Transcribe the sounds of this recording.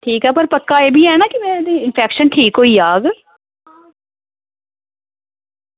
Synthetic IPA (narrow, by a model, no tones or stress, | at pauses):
ʈʰiːkɦɛpəɾpəkːaeːbʱiːɦɛnaːkimɛ̃ːɾd̪iɪnpʰɛːkʃənʈʰiːkɦoːiːjaːɡ